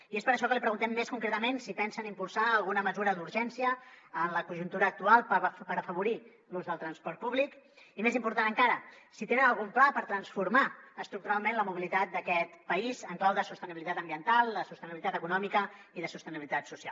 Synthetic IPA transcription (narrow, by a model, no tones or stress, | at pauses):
iespəɾəʃ̬ɔkəlipɾəɣunt̪ɛmːeskuŋkɾet̪əmensipɛnsənimpulˠsaːlˠɣunəməzuɾəðuɾʒɛnsiəːnləkuʒunt̪uɾəːk̚t̪ualˠppəɾəfəβuɾi | luzðəlˠt̪ɾənspɔɾt̪̚puβlik | imezimpuɾt̪anəŋkaɾəsit̪enənəlˠɣumplapəɾt̪ɾənsfuɾmaəst̪ɾuk̚t̪uɾalˠmẽnləmuβ̞ilit̪at̪̚d̪əkɛt̪pəizəŋklawðəsust̪əniβilit̪at̪əmbiənt̪alˠd̪əsust̪əniβilit̪at̪əkunɔmikəiðəsust̪əniβilit̪at̪susia̰lˠ